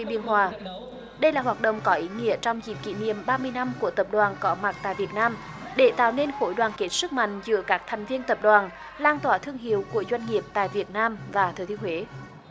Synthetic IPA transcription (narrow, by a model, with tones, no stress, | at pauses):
i˧ɓi˧˨ənɦwaː˨˩ | ɗə˧jlaː˨˩hwaː˨˩t̚ɗə̰˧˨wŋ͡mkɔ˨˦ʔi˨˦ŋḭ˧˥ət͡ɕɔ˧wŋ͡mzḭ˧˩p̚kḭ˧˨nḭ˧˨əmɓaː˧mɨ˧əjna˧mku˧˩ət̪ə˨˩p̚ɗwaː˨˩nkɔ˨˦ma˨˩t̚t̪a̰ː˧˨jvi˨˩t̚naː˧m | ɗe˧˩t̪a̰ː˧˨wne˧nxo˧˥jɗwaː˨˩nke˦˥t̚sɨ˦˥k̚ma̰˧˨ŋ̟zɨ̰˧˥əkaː˦˥k̚t̪ʰɛ˨˩jŋ̟vi˧ənt̪ə˨˩p̚ɗwaː˨˩n | laː˧nt̪waː˧˩t̪ʰɨ˧əŋɦḭ˨˧˨əwku˧˩əzwa˧jŋ̟ŋi˨˩əp̚t̪a̰ː˧˨jvi˨˩ət̚naː˧mvaː˨˩t̪ʰəː˨˩t̪ʰi˧əhwe˨˦